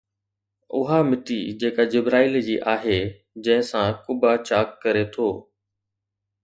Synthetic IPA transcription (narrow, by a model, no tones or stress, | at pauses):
ʊɦamɪʈid͡ʑeːkad͡ʑɪbɾaːɪld͡ʑiːʔaːɦeː | d͡ʑɐ̃ɦɪ̃sãkʊbat͡ɕaːkːəɾet̪ʰoː